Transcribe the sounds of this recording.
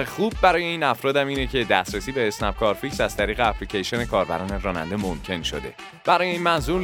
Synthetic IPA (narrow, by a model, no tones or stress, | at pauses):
ɾexuːbːæɾɒːje̞iːnæfɾɒːd̪æmiːnecʰe̞d̪æst̪ɾesiːbeːsnæp̚kʰɒːɾficsæz̥t̪ʰæɾiːɣeæpʰlicʰeʃione̞kʰɒːɾbæ̰ɾɒːneɾɒːnæ̰nd̪e̞momcʰe̞nʃo̰d̪e̞ | b̥æɾɒːjeiːnmænzuːɾ